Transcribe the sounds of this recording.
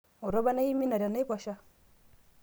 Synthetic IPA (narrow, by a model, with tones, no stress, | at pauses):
o˨ɾo˦ba˦na˦i˦mi˦na˨ɾa˨na˦pa˨ʃa˦